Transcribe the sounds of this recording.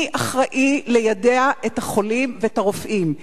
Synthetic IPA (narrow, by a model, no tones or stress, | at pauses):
ʔaχʁaʔilejadeaʔethaχo̞limveetaʁofʔim